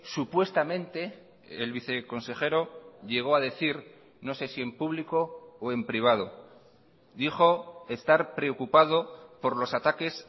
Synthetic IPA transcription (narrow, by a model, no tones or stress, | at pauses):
supwe̞st̪amẽ̞nt̪e̞ː | lβiθe̞ko̞nse̞χe̞ɾo̞ʎe̞ɣ̞o̞aðe̞θiɾ | no̞se̞sie̞mpuβliko̞ːe̞mpɾiβ̞að̞o̞ | d̪iχo̞e̞st̪aɾpɾe̞o̞kupað̞o̞po̞ɾlo̞sat̪ake̞s